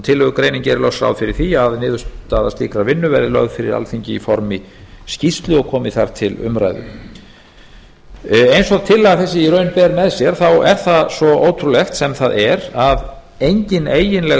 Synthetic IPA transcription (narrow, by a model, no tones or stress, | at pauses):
t̪ʰɪlːɛɣʏkɾeːjniɲcɛɾlœsɾa̰wðfɪɾɪɾ̥θiaðnɪːðʏst̪aðast̪iːkɾaɾvɪnːʏvɛɾðɪlœ̰ɣðfɪɾɪ̰ɾa̰lθiɲcɪifɔɾmɪ | scist̪lʏɔɣkʰɔːmɪθaɾ̥t̪ʰɪlʏ̰mɾa̰jðʏ̰ | ejnsɔɣt̪ʰɪlːaɣθɛs̬ːɪiɾœːɥnpɛːɾmɛðsjɛɾ̥θawɛɾ̥θaðsvɔoːwt̪ʰɾulɛxt̪sɛmθaðɛɾað | ejɲcɪneːjɪnlɛ